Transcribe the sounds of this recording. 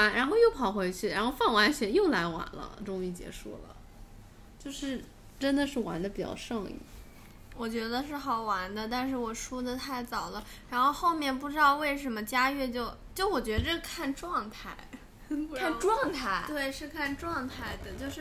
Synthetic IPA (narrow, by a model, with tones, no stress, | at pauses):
a˥nɻa˧˥nxo˥˧ʊjo˥˩ʊpʰɑ˨˩ʊxwe˧˥ɪt͡ɕʰy˥˩ɻa˧˥nxo˥˧ʊfɑ˥˩ŋwa˧˥nɕɥɛ˧˥jo˥˩ʊla˧˥ɪwa̰˨˩nlə̰˧ʈ͡ʂʊ˥ŋy˥˩t͡ɕjɛ̰˧˥ʂṵ˥˩lə̰˩ | t͡ɕjo˥˧ʊʂɻ̩˥˩ | ʈ͡ʂə˥nd̪ə˨ʂɻ̩˥˩wa̰˧˥nd̪ə˧pi˨˩t͡ɕjɑ̰˥˧ʊʂɤ˥˧ŋḭ˥˩ | wɔ˨˩t͡ɕɥɛ˧˥d̪ə˧ʂ̬ɻ̩˥˩xɑ˨˩ʊwa˧˥nd̪ə˧t̪a˥˧nʂ̬ɻ̩˥˩wɔ˨˩ʂu˥d̪ə˨t̪ʰa˥˩ɪt͡sɑ˨˩ʊd̪ə˦ɻa˧˥nxo˥˧ʊxo˥˧ʊmjɛ˥˧np̬u˥˩ʈ͡ʂɻ̩˥d̪ɑ˥˧ʊwe˥˩ɪʂə˧˥nmə˧t͡ɕja˥ɥɛ˥˧t͡ɕjo˥˧ʊt͡ɕjo˥˩ʊwɔ˨˩t͡ɕɥɛ˧˥də˥˧˩kʰa˥˧nʈ͡ʂwɑ˥˧ŋt̪ʰa˥˩ɪ | kʰa˥˩˧nʈ͡ʂwɑ˥˧ŋt̪ʰa˥˩ɪt̪we˥˩ɪʂɻ̩˥˧kʰa˥˧nʈ͡ʂwɑ˥˧ŋt̪ʰa˥˩ɪd̪ə˩t͡ɕjo˥˧ʊʂɻ̩˥˩